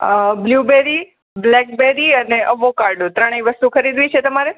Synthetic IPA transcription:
əbljubeɾi | blɛk̚beɾiəneʔəʋokaɾɖõt̪ɾəɳ̃iʋəst̪ukʰəɾid̪ʋit͡ʃʰet̪əmaɾe

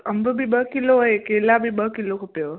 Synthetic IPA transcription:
əmbəbʱibəkiloekelabʱibəkilokʰupjo

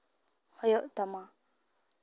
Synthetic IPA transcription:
hɔjɔʔt̪ama

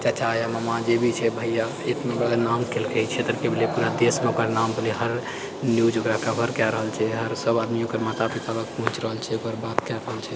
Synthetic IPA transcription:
t͡ʃat͡ʃʰaaməmad͡ʒebʱit͡ʃʰɛbʱəjja | et̪nabəɾd̪anamkelkɛit͡ʃʰet̪əɾkebʱilepuɾad̪esmeokəɾnambʱəliɦəɾ | njud͡ʒokɾakəbʱəɾkaɾəɦəlt͡ʃʰɛɦəɾsəbad̪miokəɾmat̪apit̪alək̚pɔɦũt͡ʃɾəɦəlt͡ʃʰɛokəɾbat̪kɛɾəɦəlt͡ʃʰɛ

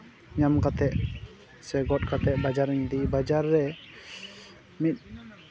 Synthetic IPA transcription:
ɲamkat̪ɛʔ | sɛɡɔt̪̚kat̪ɛʔ̚bad͡ʒaɾɲd̪ibad͡ʒaɾːɛ | mit̪̚ˀ

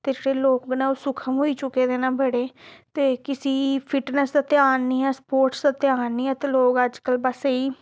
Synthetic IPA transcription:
t̪eːd͡ʒeːɽeːloːk̚bnãːoːsʊkʰəmɦoːiːt͡ʃʊkeːd̪eːnãːbəɽeːt̪eːkɪsiːpʰɪʈnəsd̪aːt̪eaːnːiːɛːspoːɾʈsd̪aːt̪ɪaːnːiːɦɛːt̪eːloːɡəd͡ʒkəlbəsiː

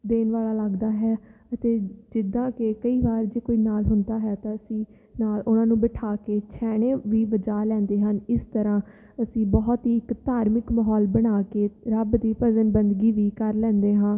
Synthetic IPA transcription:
d̪eːnʋaːlaːləɡd̪aːɦɛːət̪eːd͡ʒɪd̪ãːkekəiːbaːɾd͡ʒeːkoːiːnaːlɦʊnd̪aːɦɛːt̪ãːəsĩː | naːlʊnãːnũːbɪʈʰaːkeːt͡ʃʰɛːɽ̃eːʋiːʋəd͡ʒaːlɛ̃ːnd̪eːɦənɪst̪əɾãː | əsĩːbɔːt̪ɦiːɪkt̪aːɾmɪkməɦɔːlbəɽ̃aːkeːɾəbd̪iːpəzənbənd̪ɡiːʋiːkəɾlɛ̃ːnd̪eːɦãː

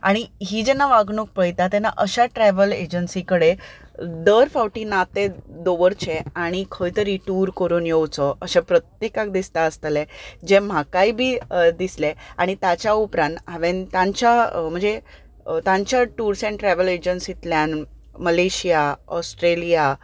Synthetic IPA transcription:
a̰ɽ̃iɦiːd͡ʑɛnːaʋaɡɳuk̚pəjt̪at̪ɛnːa̰ʔəɕaʈɾɛʋəled͡ʑənsikəɽe | d̪əɾfawʈiːnat̪ed̪oʋəɾt͡ɕʰeaɽ̃ikʰəjt̪əɾiʈuːɾkəɾuːnjewt͡sɔʔəɕapɾət̪jekakd̪ist̪aəst̪led͡ʑem̤akaibʱiːd̪isleaɽ̃it̪jat͡ɕjaupɾãnaʋẽnt̪ãɲt͡ɕam̤ə̃ɳd͡ze | t̪ãɲt͡ɕjaʈuɾsẽɳʈɾɛʋəled͡ʑənsit̪ljan | məleɕijaɔsʈɾelija

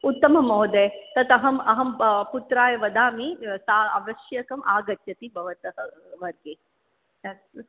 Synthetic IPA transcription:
ut̪ːɐmɐmɔːd̪et̪ɐt̪ɐɦɐmɐɦɐmput̪ɾaːjɐʋɐd̪aːmit̪aːɐʋɐʃjɐkɐmʔaːɡɐt̪jɐt̪ibʱɐʋɐt̪ɐɦɐʋɐɾɡeː

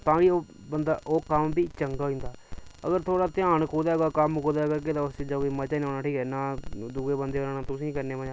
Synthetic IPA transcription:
t̪ãːkioːbənd̪aːʔoːkəmbiːt͡ʃəŋɡaːɦĩːnd̪aːə̰ɡəɾt̪ʰoːɽaːt̪ɪãːɳkuːd̪aːɡaːkəmkoːd̪aːɡəɾk̬ɪt̪ãːʊsiːd͡ʒoiːmət͡ʃaːnoːnaːʈʰiːkɛːnaːd̪uːɡeːbənd̪eːonãːnaːt̪ʊsĩːkəɾneːmad͡ʒ

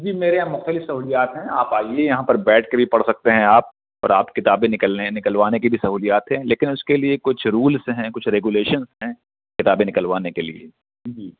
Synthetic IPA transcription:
d͡ʒiːmeːɾeɦãmʊxt̪əlɪfsɐɦuːlijaːt̪ɦɛ̃aːpaːiejɐɦãpɐɾbɛːʈkebʱipɐɽsɐk̚t̪eɦɛ̃aːp̚ | ɔ̰ːɾa̰ːpkɪt̪aːbẽnɪkəlenɪkəlʋaːnekibʱisɐɦuːlijaːt̪ɦɛ̃leːkɪnʊskeliekʊt͡ʃʰɾuːlsɦɛ̃kʊt͡ʃʰɾeːɡuleːʃənsɦɛ̃ | kɪt̪aːbẽnɪkəlʋaːnekelḭḛ | d͡ʒiː

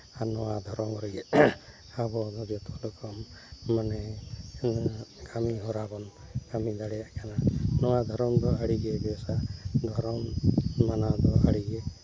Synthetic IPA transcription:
anɔwad̪ʱɔɾɔmɾɔɡɛ | abɔd̪ɔd͡ʒɔt̪ɔlɔkɔmːanɛ | kʰamiɦɔɾabɔnkamid̪aɽɛjaʔkananɔwad̪ʱɔɾɔmd̪ɔaɽiɡebɛsad̪ʱɔɾɔmmanad̪ɔʔa̰ɽiɡe

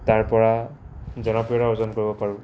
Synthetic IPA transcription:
taɹpɔɹa | zɔnɔpɹijɔaɔzɔnkoɹibɔpaɹʊ̃

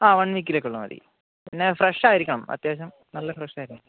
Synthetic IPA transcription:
aːʋɐɳʋik̬ːilekːuɭːɐmɐ̰ðḭ | pinːefreʂaːjiɾikʲːɐɳɐmɐ̰t̪jeːɕɐm | nɐlːɐfreʂaːjiɾikʲːɐɳɐm

